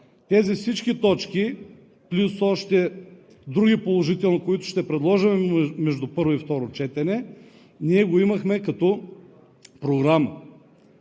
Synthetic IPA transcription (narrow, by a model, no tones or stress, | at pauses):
t̪ɛzifsit͡ʃkit̪ɔt͡ʃki | plʲusɔʃt̪ɛ | d̪ɾuɡʲipolˠoʒit̪ɛlˠnokoit̪ʊ̥ʃt̪ɛpɾɛd̪lˠɔʒɐmɛmɛʒd̪ʊpɤɾvʊift̪ɔɾot͡ʃɛt̪ɛnɛ | niɛɡoimɐxmɛkɐt̪ɔ | pɾoɡɾamə